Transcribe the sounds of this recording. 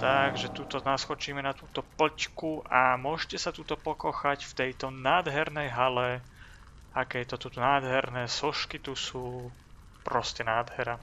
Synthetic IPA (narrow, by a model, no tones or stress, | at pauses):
t̪aɡʒɛt̪uːt̪ɔnasxɔt͡ʃiːmɛnat̪uːt̪ɔplckuʔamʊɔʒɛcɛsat̪uːt̪ɔpɔkɔxacft̪ɛjt̪ɔnaːd̪ɦɛɾnɛjɦalɛ | akɛjt̪ɔt̪ut̪unaːd̪ɦɛɾnɛːsɔʃkit̪usuː | pɾɔscɛnaːd̪ɦɛɾa